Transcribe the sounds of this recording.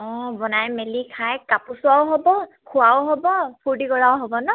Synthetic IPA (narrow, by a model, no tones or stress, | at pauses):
ɔbɔnajmelikʰajkapʊsʊawɦɔbɔkʰʊawɦɔbɔpʰuɹdiɡɔɹawɦɔbɔnɔ